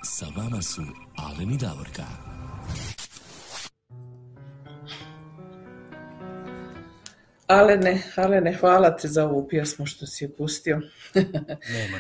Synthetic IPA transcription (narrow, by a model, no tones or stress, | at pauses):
saʋamasua̰lenid̪aʋoɾka̰ | alenealenexʋaːlat̪ʰizao̞ʋopjesmuʃt̪o̞sijepust̪io̞